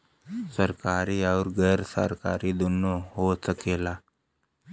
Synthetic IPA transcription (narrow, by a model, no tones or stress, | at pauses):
səɾkaɾiːaɾɡəɾsə̰ɾka̰ɾiːd̪unːoɦosəkela